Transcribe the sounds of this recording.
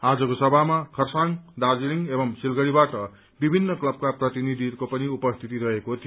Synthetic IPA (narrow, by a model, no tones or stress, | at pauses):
ad͡zʌkosʌbʱamakʰʌrsaŋd̪ad͡ziliŋebʌmsilɡʌɽibaʈʌ | bibʱinːʌklʌb̚kaprʌt̪inid̪ʱikopʌniupʌst̪ʰit̪iɾʌɦekot̪ʰijo